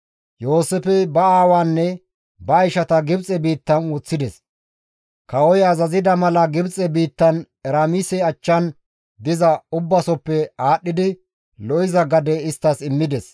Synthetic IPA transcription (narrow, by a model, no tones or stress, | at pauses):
jo̞ːsɛfɛbɐaːwaːnːɛ | bɐːɪʃɐt̪ɐɡɪbt͡sʼɛbiːt̪ːɐnwɔt͡sːɪd̪ɛs | kɐɔjɐzɐzɪd̪ɐmɐlɐɡɪbt͡sʼɛbiːt̪ːɐn | ɛɾaːmisɛɐt͡ʃːɐn | d̪ɪzɐʊbːɐsɔpːɛaːɗːɪd̪ɪ | lɔɪzɐɡɐd̪ɛɪst̪ːɐsɪmːɪd̪ɛs